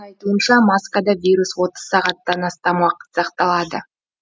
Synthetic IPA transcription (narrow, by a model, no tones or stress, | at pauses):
ɑjt̪uənʃɑmɑskad̪ɑvʲijɾuswo̞t̪əz̥sɑʁɑt̪ːɑnɑst̪ɑmwɑqə̥t̪sɑqt̪ɑlˠɑd̪ə